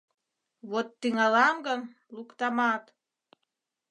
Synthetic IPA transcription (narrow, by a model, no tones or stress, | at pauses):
βot̪ːyŋɑlɑŋɡən | lukt̪ɑmɑt̪